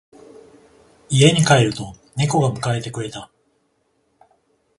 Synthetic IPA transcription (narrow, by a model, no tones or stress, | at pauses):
ie̞ɲ̟ikae̞ɾɯ̟t̪o̞ | ne̞ko̞ɡamɯ̟kae̞t̪e̞kɯ̟ɾe̞t̪a